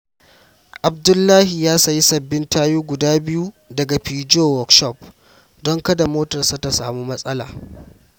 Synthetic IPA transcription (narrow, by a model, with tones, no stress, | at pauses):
ʔa˨b̚dʊ˦lːaː˦hi˨jaː˦sɐ˨ji˦sɐ˨bːɪ˦ntaː˦juː˦ɡʷʊ˨daː˦bɪ˦ju˦ | dɐ˨ɡa˨ɸiː˨d͡ʒoː˦wɔ˨kʃɔ˦˨p̚ | dɔ˦ŋkɐ˦da˨moː˦tɐ˨rsa˦ta˨saː˨mu˦mɐ˦sʼɐ˦la̰ː˨